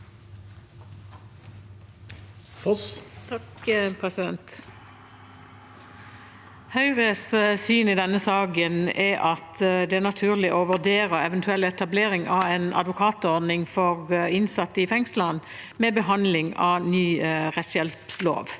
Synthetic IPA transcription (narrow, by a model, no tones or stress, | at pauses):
ft̪ʰɑkpʰʁɛsɪd̪ɛnt̪ | hœʏʁəssyːnɪd̪ɛnːəsɑːɡənɛʔɑt̪d̪ɛænɑt̪ʰʉːʁlɪʔoʋʉd̪eːʁəɛʋɛnt̪ʰʉɛlɛt̪ɑbleːʁɪŋʔɑeːnɑ̰d̪ʋʊkʰɑːt̪ɔʁd̪nɪŋfɔʁɪnsɑt̪ːəɪfɛŋslən | mɛːbəɦɑnlɪŋɑ̰nyːʁɛt̪sjɛlpslo̰ːʋ